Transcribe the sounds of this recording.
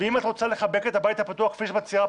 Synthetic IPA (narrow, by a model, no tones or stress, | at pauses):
eimat̪ʁo̞t͡sale̞χabe̞ke̞t̪habajit̪hapat̪uaχkfiʃemat͡sia